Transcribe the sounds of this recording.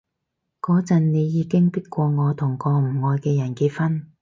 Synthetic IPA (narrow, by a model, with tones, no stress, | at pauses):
kɔː˨˥t͡sɐ˨nne˨˧jjiː˨˧kɪ˥ŋpi˥t̚kʷɔː˧ŋɔː˨˧t̪ʰʊ˨˩ŋkɔː˧m̩˨˩ŋɔː˧jkɛː˧jɐ˨˩nkiː˧t̚fɐ˥n